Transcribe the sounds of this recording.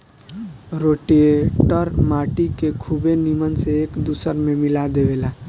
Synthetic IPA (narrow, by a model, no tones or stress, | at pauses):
ɾoʈeeʈəɾmaʈikekʰubenimənseːkd̪usəɾmemilad̪eʋela